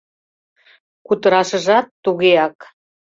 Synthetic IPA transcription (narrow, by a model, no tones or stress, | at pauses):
kut̪ə̆ɾɑʃə̆ʒɑt̪ːuɣeɑk